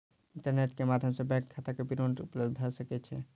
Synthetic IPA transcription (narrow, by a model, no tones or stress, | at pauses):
ĩɳʈəɾneʈkemad̪ʱjəmsəbɛ̃kkʰːat̪akepiɾonʈupləbbʱəsəkɛt͡ʃʰɛ